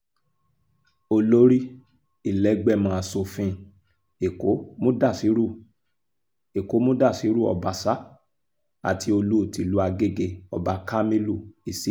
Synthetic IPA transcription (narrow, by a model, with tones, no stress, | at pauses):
o˧lo˦ɾi˦ | i˦˨lɛ˨˦ɡ͡bɛ˦˨mã˨˧˨a˨so˧fĩ˧ | e˨ko˨˦mõ˦da˦˨si˨˦ɾu˦˨ | e˨ko˨˦mõ˦da˦˨si˨˦ɾu˦ɔ̰˨ba˨sa˨˦ | a̰˦˨tʰi˨˧o˧lu˦˨ti˨lu˨˦a˧ɡe˦˨ɡe˧˨ɔ˨ba˧ka˦mĩ˦lu˦˨i˨si˨˦